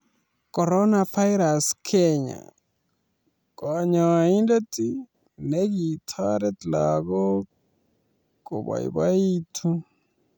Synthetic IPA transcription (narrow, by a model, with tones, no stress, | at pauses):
kɔ˨ɾɔ˦nafa˦ɪɾa˨skʰɛɲa̰˨ | kɔɲa˨i˦nda˦ti˦ | nɛ˦ɡi˨tʰa˦ɾɛ˦t̪laɡɔ˦ | ko̰˨ba̰˨ḭ˨ba˦i˦tʰu˦